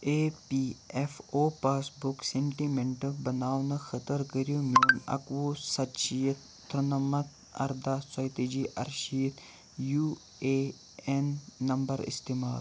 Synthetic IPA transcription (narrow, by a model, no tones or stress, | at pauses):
eːpiefʰoːpaːsbʊkseɳʈimeɳʈɐbɐnaːwnɐxʰɐt̪əɾkəɾijomoːnɐ̰kʋusɐʃijət̪̚ːɾɐnɐmɐt̪ | ɐ̰ɾd̪aːsajt̪ed͡ʒiʔɐ̰ɾʃijət̪ | juː | eː | enːɐmbɐɾḭst̪imaːl